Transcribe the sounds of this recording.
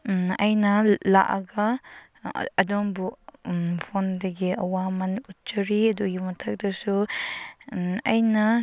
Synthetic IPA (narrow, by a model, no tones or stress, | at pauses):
ɐjnɐla̰ʔɐ̰ɡɐ | ɐdɔŋbu | pʰondɐɡiɐ̰wamɐnut̚t͡ʃɐɾiɐdujumɐtʰɐk̚dɐsu | ɐjnɐ